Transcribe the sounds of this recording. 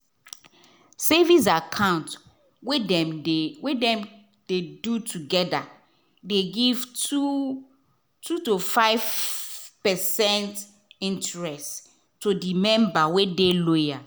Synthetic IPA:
sevis̬akʰãʊ̃nt | w | wedɛ̃m | d̥edutʰuɡɛda | deɡivtu | tʰutofaɪv | pɛsɛ̃nt | ĩntɹɛst | tːodimɛ̃mbawedeloja

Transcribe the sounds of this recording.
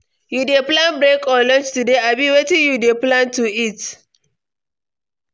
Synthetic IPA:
judeplãnbɹekɔlɔ̃nt͡ʃtudeabiwetĩnjudeplãntuit

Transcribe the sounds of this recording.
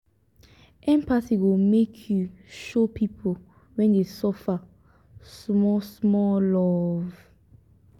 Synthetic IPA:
ʔɛ̃mpasiwomekʰjuʃopʰipʰo | wɛ̃ndesɔfa | sɔsmɔlɔv

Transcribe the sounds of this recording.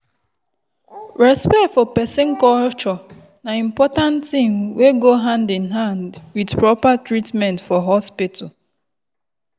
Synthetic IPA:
ɹɛspɛktfɔpɛsɪŋ̩kɔlt͡ʃɔ | naimpɔtãntimweɡoɦãndinɦãndwidpɹɔpatɾitmɛ̃ntfɔɦɔspitʰɔ

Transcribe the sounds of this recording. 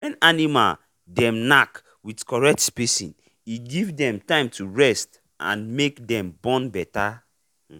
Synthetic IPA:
wɛ̃nanima̰l | dɛ̃mnak | widkɔɹɛk̚tspisḭ̃n | iɡivdɛ̃mtãɪ̃mtʰuɹɛst | ã̰nmekdɛ̃mbɔ̃nbɛta

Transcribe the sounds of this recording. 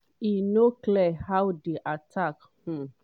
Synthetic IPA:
inoklɛhawdiʔatʰak | h̩

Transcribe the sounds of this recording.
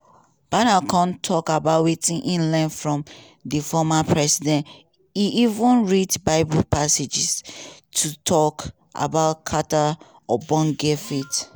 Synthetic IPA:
b̥anakʰãntʰɔkabaʊtwitĩnʔĩnlɛ̃nfɹɔ̃m | difɔmapʰɹɛsidɛ̃n | iʔivũnɹidbaɪbupased͡ʒistʰutʰɔk | ʔa̰baʊtkʰata | ɔbɔ̃nɡefit

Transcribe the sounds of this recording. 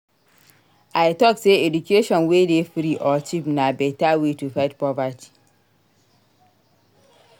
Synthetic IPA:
aɪtɔkseedukʰeʃɔ̃nwedefɾiʔɔt͡ʃipnabɛtawetufaɪtpɔvatʰi̥

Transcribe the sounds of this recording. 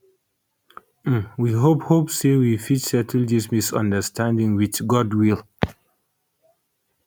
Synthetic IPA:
wiɦophopsewifitsɛtʰl̩dismisã̰ndəstʰãndĩŋwit͡ʃɡɔdwil

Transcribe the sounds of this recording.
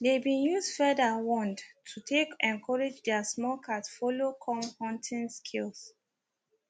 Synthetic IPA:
debĩnjuzdfɛdəwɔ̃ndtʰutʰekɛ̃nkʰɔɹɛd͡ʒdɛsmɔlkʰatfolokʰɔ̃mhɔ̃ntʰĩnskʰils

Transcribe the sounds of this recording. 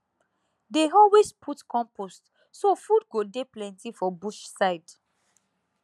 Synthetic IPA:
deɔlwespʰutkʰɔ̃mpost | sofud̚ɡodeplɛ̃ntifɔbuʃsaɪd

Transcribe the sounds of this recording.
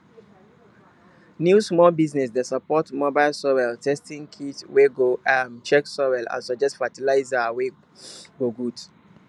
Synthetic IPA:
njusmɔlbiznɛs̬desapɔtmɔbaɪlsɔwɛltʰɛstĩŋkʰitweɡoamt͡ʃɛksɔwɛlã̰nsɔd͡ʒɛstfatilaɪzawe | ɡoɡud

